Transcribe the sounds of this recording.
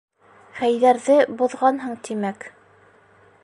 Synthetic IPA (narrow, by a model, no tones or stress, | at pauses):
χæjðæɾðɘbŏðʁɑnɦɤɴt̪imæk